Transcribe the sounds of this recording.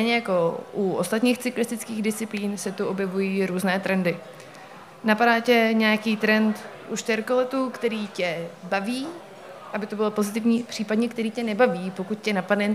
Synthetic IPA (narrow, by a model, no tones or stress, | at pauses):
t̪ɛjɲɛjako̞ʔuʔost̪at̪ɲiːxt͡sɪklɪst̪ɪt͡skiːɣdɪst͡sɪpliːnsɛt̪uo̞bjɛvujiːɾuːznɛːt̪ɾɛndɪ | napadaːcɛɲɛjakiːt̪ɾɛnt̪ʔuʃt̪ɛɾkolɛt̪ukt̪ɛɾiːcɛbaviː | ʔabɪt̪obɪlo̞po̞zɪt̪ɪvɲiːpr̥iːpadɲɛk̚t̪ɛɾiːcɛnɛbaviːpo̞kut̪̚cɛnapadnɛ